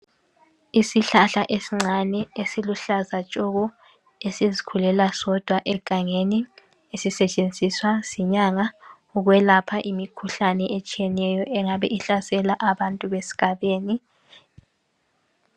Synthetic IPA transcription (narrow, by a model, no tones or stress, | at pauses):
isiɬaɬaʔesiŋ͡ǀʱanɛesiluɬazat͡ʃʼɔɣɔ | esizikʰulɛlasɔd̥ʱwaʔɛɡ̥ʱaŋeni | esisɛt͡ʃʼend͡zʱiswasiɲaŋa | uɣwɛlapʰaʔimikʰuɬanɛʔet͡ʃʼijɛnɛjɔʔɛŋaβɛʔiɬasɛlaʔaβantʼuβesi̥ɡ̥ʱaβeːni